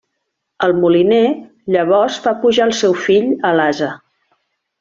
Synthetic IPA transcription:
əlˠmuline | ʎəβ̞ɔzfapuʒaəlˠsɛwfiʎəlazə

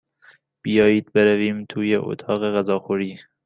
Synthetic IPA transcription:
b̥ijɒːjiːd̪̚beɾæviːmt̪ʰuːjeʔo̰t̪ʰɑːɣeɣæzɒːxuɾiː

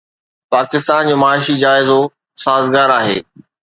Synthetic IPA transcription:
paːkɪst̪aːnd͡ʑoːmaːɪʃid͡ʑaːɪzo | saːzɡaːɾaːɦḛː

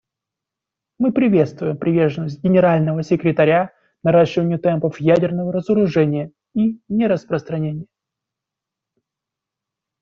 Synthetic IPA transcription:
mɨpɾʲɪvʲe̞t̪st̪vʊjɪmpɾʲɪvʲerʐənəsʲt̪̚ʲɡʲɪnʲɪɾalʲnəvəsʲɪkɾʲɪt̪ɐɾʲa | nɐɾaɕːɪvənʲɪjʊt̪ɛmpəfjædʲɪrnəvəɾəzəɾʊʐɛnʲɪjə | inʲeɾəspɾəst̪ɾɐnʲenʲɪjə

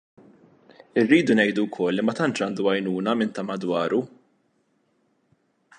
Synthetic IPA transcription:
ɪrːiːd̪unɛjd̪uwkʰɔlːimɐt̪ɐnt͡ʃɐːnd̪uɐjnuːnɐmɪnt̪ɐmɐd̪wɐːɾu

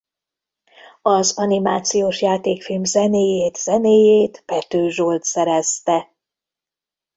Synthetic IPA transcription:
ɒzɒnimaːt̪sijoːʃjaːt̪eːkfilmzɛneːjeːt̪z̥ɛneːjeːt̪pɛt̪øːʒolt̪sɛɾɛst̪ɛ

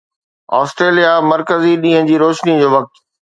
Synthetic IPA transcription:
ɔ̰ːsʈɾeːlijamɐɾkəziɗĩːɦə̃d͡ʑiːɾoːʃnĩd͡ʑoːʋɐk̚t̪

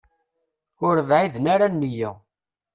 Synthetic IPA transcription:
ʊɾəvʕiðnaɾanːijə

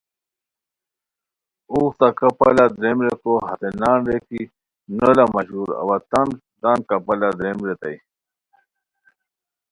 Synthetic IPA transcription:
uːxt̪akɐpalad̪ɾemɾekoɦɐt̪enaːnɾeki | nəlamɐɕuɾɐ̰wat̪an | d̪ankɐpalad̪ɾemɾet̪a̰j

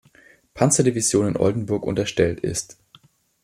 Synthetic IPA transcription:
pʰant͡sɐdivizjoːnɪnʔɔ̰ldn̩bʊɐkʔʊ̰ntɐʃtɛltɪ̰st

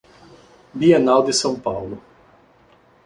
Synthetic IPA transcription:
bienawd̪ɪsɐ̃w̃pawlʊ

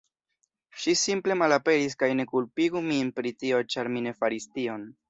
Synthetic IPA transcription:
ʃisimple̞malape̞ɾis̬kajne̞kulpiɡuminpɾitio̞t͡ʃaɾmine̞faɾistio̞n

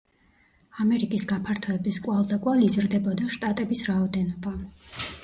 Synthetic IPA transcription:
amɛɾikʼisɡapʰaɾt̪ʰɔɛbiskʼwalˠd̪akʼwaliːzɾd̪ɛbɔd̪aʃt̪ʼat̪ʼɛbisɾaɔd̪ɛnɔba

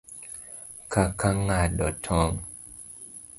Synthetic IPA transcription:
kʰakʰaŋadɔt̪ʰːɔŋ

